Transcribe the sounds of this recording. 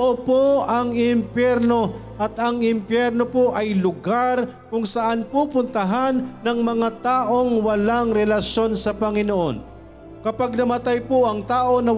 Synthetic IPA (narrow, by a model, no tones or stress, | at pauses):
ʔopoɐŋɪmpjɛɾno̞ʔɐt̪ɐŋɪmpjɛɾno̞poʔɐjlʊɡaɾ | kʊŋsɐʔanpupʊnt̪ɐɦanːɐŋmɐŋat̪aːʔo̞ŋwɐlaŋɾɛlɐʃjo̞nsɐpɐŋɪnoʔo̰n | kɐpaɡ̚nɐmɐt̪ajpoʔɐŋt̪aːʔo̞nɐ